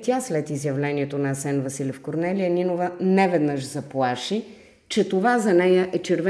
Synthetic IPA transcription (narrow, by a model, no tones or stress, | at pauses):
t̪ʲaslɛt̪izjɐvlɛniɛt̪onɐːsɛnvɐsilʲɛfkoɾnɛlijəninovənɛvɛd̪nəʃzɐplˠaʃi | t͡ʃɛt̪ovazɐnɛjəʔɛt͡ʃɛɾvɛ